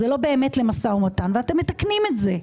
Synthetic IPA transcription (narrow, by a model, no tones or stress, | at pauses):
zelo̞beːme̞tle̞masaumotanveate̞mːetaknimetze̞